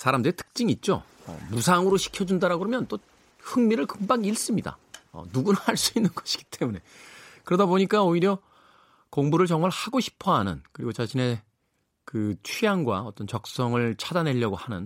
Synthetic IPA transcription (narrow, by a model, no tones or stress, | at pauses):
sʰaɾamdɯɾitʰɯ̥k̚t͡ɕ͈iŋit̚t͡ɕ͈o̰ | ʌ̰musʰaŋɯɾoɕʰi̥kʰjʌd͡ʑundaɾaɡɯɾomjʌnt͈o | hɯŋmiɾɯɭkɯŋbaŋiɭs͈ɯmɲida̰ʌ̰nuɡunahaɭs͈uinːɯnɡʌɕʰi̥ɡ̥i̥t͈e̞mune̞kɯɾʌdaboɲik͈aoiɾjʌ | koŋbuɾɯɭt͡ɕʌŋmaɭhaɡoɕʰi̥pʰʌɦanɯ̰nkɯɾiɡot͡ɕaɕʰine̞ | kɯt͡ɕʰijaŋɡwa̰ʌt͈ʌnt͡ɕʌk̚s͈ʌŋɯɭt͡ɕʰadane̞ʎːʌɡohanɯ̰n